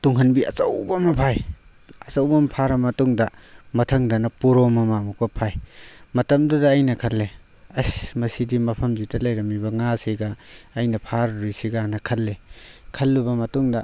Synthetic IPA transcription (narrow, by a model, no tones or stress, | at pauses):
tuŋɦɐnbiɐ̰t͡ʃɐwbɐmɐpʰaj | ɐt͡ʃɐwbɐmɐpʰaɾɐmɐtuŋdɐmɐtʰɐŋdɐnɐpuɾomɐmamuk̚bɐpʰajmɐtɐmdudɐːjnɐkʰɐlːe | ɐsmɐsidimɐpʰɐmzidɐlɐjɾɐmibɐŋasiɡɐːjnɐpʰaɾɾisiɡanɐkʰɐlːekʰɐlːubɐmɐtuŋdɐ